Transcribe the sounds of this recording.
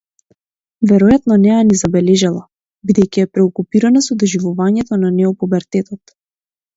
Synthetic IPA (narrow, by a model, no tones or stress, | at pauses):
vɛɾɔjat̪nɔnɛjanizabɛlɛʒalˠa | bid̪ɛjkiɛpɾɛɔkupiɾanasɔd̪ɔʒivuvaɲɛt̪ɔnanɛɔpubɛɾt̪ɛt̪ɔt̪